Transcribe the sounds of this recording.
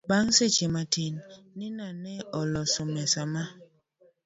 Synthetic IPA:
baŋset͡ʃematinː | ɪnanɛɔlɔsɔmɛsama

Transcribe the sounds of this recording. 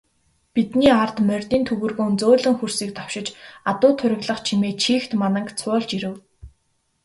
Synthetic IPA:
pit̪niːart̪mœrʲt̪iːnt̪ʰɵɣɘ̆rɣoːnt͡soːɮɘ̆ŋxursiːk̚t̪ʰɔ̥w̥ʃɪ̆t͡ɕat̪ʊːt̪ʰʊɾʲɪ̆ɣɮə̆χt͡ɕʰimeːt͡ɕʰiːxt̪manə̆kt͡sʰʊːɮt͡ɕiɾɘ̆w

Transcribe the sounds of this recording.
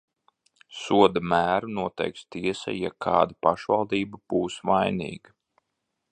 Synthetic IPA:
suɔd̪amæːɾunuɔt̪ɛ̰jkst̪iɛsa̰jakʰɑ̰ːd̪apaʃvalˠd̪iːbab̥uːsʋajnḭːɡa

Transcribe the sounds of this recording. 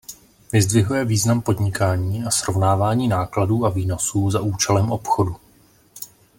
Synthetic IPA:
vɪzd̪vɪɦujɛviːznampo̞dɲɪkaːɲiːʔasɾo̞vnaːvaːɲiːnaːkladuːʔaviːno̞suːzaʔuːt͡ʃɛlɛmʔo̞pxo̞du

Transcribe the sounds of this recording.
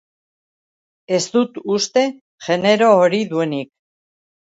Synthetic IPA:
e̞zt̪ut̪ust̪e̞ | ʝe̞ne̞ɾo̞ːɾiðue̞nik̚

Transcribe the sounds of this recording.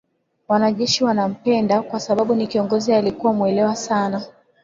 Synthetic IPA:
wanaʄɛʃiwanam̩pɛndakwasaɓaɓunikiɔŋɡɔzialikuwamuɛlɛwasana

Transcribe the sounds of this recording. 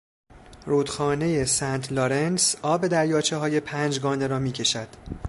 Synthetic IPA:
ruːd̪̥xɒːne̞je̞sæːnt̪ʰloɾensɒːbe̞d̪æɾjɒːt͡ʃʰe̞ɦɒːje̞pʰæːnd͡ʒɡɒːne̞ɾɒːmiːkcʰe̞ʃæd̪̥

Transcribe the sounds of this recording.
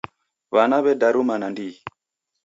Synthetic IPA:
βanaβɛdaɾumanandi

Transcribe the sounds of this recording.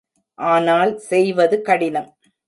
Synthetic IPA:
ʔaːnaːlsɛjʋɐðɯkɐɽɪnɐm

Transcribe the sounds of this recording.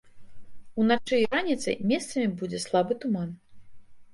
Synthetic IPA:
unat͡ʂɨjɾanʲit̪sɐ̰jmʲɛst̪sɐmʲibud͡zʲɛslˠabɨt̪uman

